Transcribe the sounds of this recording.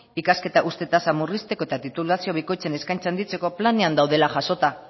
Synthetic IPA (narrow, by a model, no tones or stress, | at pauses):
ikaske̞t̪aʔust̪e̞t̪asamurist̪eko̞e̞t̪at̪it̪ulasio̞β̞iko̞jt͡se̞ne̞skajnt͡sand̪it͡se̞ko̞plane̞and̪awðe̞laʝaso̞t̪a